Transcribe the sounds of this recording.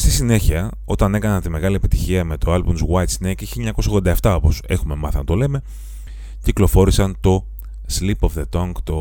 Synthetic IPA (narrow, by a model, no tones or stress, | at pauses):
st̪isine̞çiɐ | o̞t̪ɐne̞kɐnɐnt̪ime̞ɣɐliepit̪içiɐme̞t̪o̞ɐlbunzwajt̪sinekiçiiɲɐko̞sɐoɣðod̪ɐeft̪ɐo̞po̞se̞̰xume̞mɐθɐnɐt̪o̞le̞me̞ | ciklo̞fo̞ɾisɐnt̪o̞ | slipo̞fðe̞t̪oŋkt̪o̞